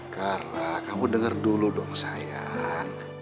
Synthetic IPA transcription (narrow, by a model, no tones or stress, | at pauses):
karənakamudəŋərduludɔŋsaja